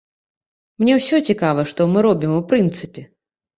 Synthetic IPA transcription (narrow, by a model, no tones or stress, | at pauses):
mnʲɛwsʲɔt͡sʲikavɐʂt̪ɔmɨɾɔbʲimupɾɨnt̪sɨpʲɛ